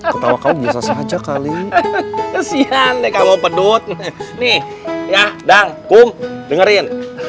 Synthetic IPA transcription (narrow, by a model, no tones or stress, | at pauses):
kkət̪awakaubiasasəɦad͡ʒakali | əsiandɛkamopədʊt̪̚nih | jadaŋkʊmdəŋəɾɪn